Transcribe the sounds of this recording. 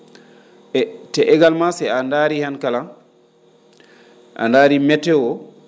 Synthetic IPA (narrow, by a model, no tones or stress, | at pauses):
tɛʔɛɡalmasɛandaɾihankalan | ʔa̰ndaːɾimɛtːɛwɔ